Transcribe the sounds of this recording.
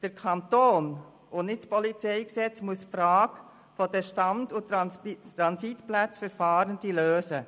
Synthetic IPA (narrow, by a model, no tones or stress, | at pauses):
d̥əɾkʰɑnt̪oːn | ʊnnɪtspɔlit͡sɛɪksɛt͡smuəsfɾaːɡ | fɔdɛʃtɑndʊt̪ɾɑnsitplæt͡sfəɾfaːɾəndiløːsə